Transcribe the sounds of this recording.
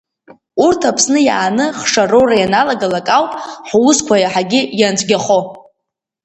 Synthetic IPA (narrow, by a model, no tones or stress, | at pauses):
urtʰapʰsnɨja̰ːnɨχʂarowrajanalaɡalakʼawpʼħwʊskʷʰajaħaɡʲɪjant͡sʷʰʼɡʲaχo